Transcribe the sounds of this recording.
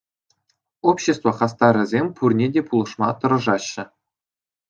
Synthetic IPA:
opɕest̪voχɑst̪ɑɾʲɘ̆zʲemʲpʰurnʲedʲepulˠɤ̆ʂmɑt̪ɤ̆ɾɤ̆ʐɑɕːɘ̆

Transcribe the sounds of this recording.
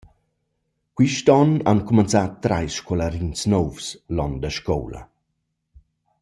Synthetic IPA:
kwiʃtɔnankumənt͡sat̪ːɾa̰jsʃkɔlaɾinsnɔwfslɔndəʃkɔ̰wla̰

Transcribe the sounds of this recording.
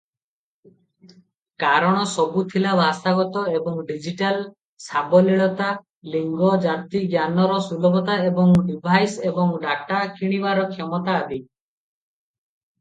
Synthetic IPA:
kaɾɔɽ̃ɔsɔbut̪ʰilabast̪aɡɔt̪ɔebɔŋɖid͡ʒiʈal | sabɔliɭɔt̪a | liŋɡɔd͡ʒat̪iɡjanɔɾɔsulɔbɔt̪aebɔŋɖibʱajsebɔŋɖaʈakʰiɽ̃ibaɾɔkʰjɔmɔt̪aːd̪i

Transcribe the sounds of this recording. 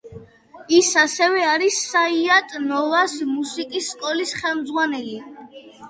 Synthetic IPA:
isasɛvɛaɾisːaiat̪ʼnɔvasmusikʼisːkʼɔlisχɛlmd̪zʁwanɛli

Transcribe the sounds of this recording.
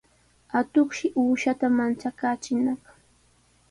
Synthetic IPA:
at̪oχʃɪʔuːʃat̪amant͡ʃakaːt͡ʃɪnɑχ

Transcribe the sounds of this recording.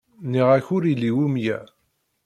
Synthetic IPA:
niʁæçʊɾilːiwumjæ̰

